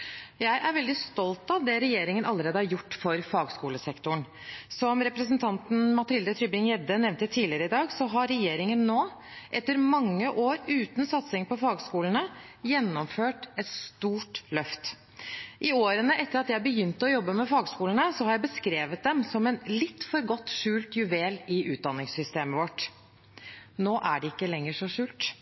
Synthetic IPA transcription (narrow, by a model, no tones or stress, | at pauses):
jæɪʔæɾʋɛld̪ɪst̪ɔlt̪ɑt̪d̪ɛɾɛjeːɾɪŋənɑləɾeːd̪əhɑɾjʊʈːfɔɾfɑːɡskuːləsɛkt̪ʊɳ | sɔmɾɛpɾəsənt̪ʰɑnt̪nmɑt̪ʰɪld̪ət̪ʰɾʏbɪŋjɛd̪ənɛʋnt̪ət̪ʰiːlɪəɾəɪd̪ɑːɡsɔɦɑɾɛjeːɾɪŋənːoː | ʔɛt̪ːəɾmɑŋːəʔoːɾʉːt̪nsɑt̪sɪŋpɔfɑːɡskuːlənəjɛnːɔmføːʈɛt̪st̪uːʈlœft̪ | ʔɪoːɾənəʔɛt̪ːəɾɑt̪jæɪbəjʏnt̪ɔjɔbːəmɛfɑːɡskuːlən̩əsɔhɑɾjæɪbəskɾeːʋət̪̚d̪ɛmsɔmɛnlɪt̪ːfɔɾɡɔt̪ːʂʉːlt̪jʉʋeːlɪʔʉːt̪̚d̪ɑnːɪŋsʏst̪eːməʋɔʈ | noːʔæɖɛɪkːəlɛŋːəʂɔʂʉːlt̪